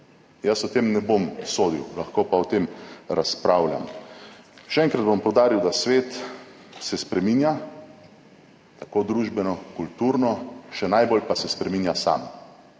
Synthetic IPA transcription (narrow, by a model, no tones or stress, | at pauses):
jəsɔt̪eːmnɛbomsoːd̪iwlaxkopaɔt̪eːmɾaspɾaːwlʲja̰m | ʃɛɛŋkɾad̪bompɔwd̪aːɾiwd̪asʋeːt̪ | sɛspɾɛminja | t̪akod̪ɾuʒbɛnɔkult̪uːɾnɔʃɛnajbolpasɛspɾɛmiːnjasa̰ːm